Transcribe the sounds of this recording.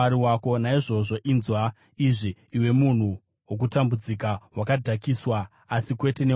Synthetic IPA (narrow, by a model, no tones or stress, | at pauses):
aɾiwako̞naiʐo̞ʐo̞ʔinzwa | iʐiːwe̞mun̤u | wok̬utambud͡zikawakadʱakiswa | asikwe̞te̞ne